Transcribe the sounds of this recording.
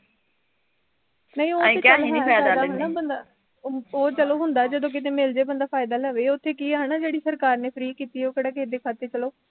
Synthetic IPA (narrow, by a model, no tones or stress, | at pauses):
nəĩːõːeːkalːiːaaaaɦnaːbənd̪aː | oːt͡ʃəloːɦʊ̃nd̪aːd͡ʒəd̪õːk̬ɪt̪̬eːmɪld͡ʒeːbənd̪aːpʰaːɪd̪aːləːʋeːʊt̪ʰːeːkiːɦənaːd͡ʒeːɽiːsəɾkaːɾneːpʰəɾiːkiːt̪iːoːkeːɽaːkeːd̪eːkʰaːt̪ːeːt͡ʃəloː